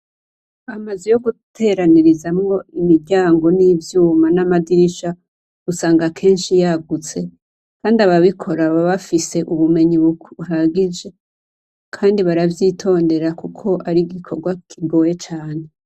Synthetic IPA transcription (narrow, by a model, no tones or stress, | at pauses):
amazijo̞ɡutʰe̞ɾaniɾizamŋo̞imiɾɟaːŋɡo̞nivjuːmanamadiɾiʃa | usaːŋɡakʰe̞ːnʃijaɡut͡se̞ | kaːndiaβaβikʰo̞ɾaβaβafise̞ʔuβume̞ɲiβuɦaɡid͡ʒe̞ | kʰaːndiβaɾavjiːtʰo̞ːnde̞ɾakukʰo̞ʔaɾiɡikʰo̞ɾɡwakʰiɡo̞ːje̞t͡ʃaːne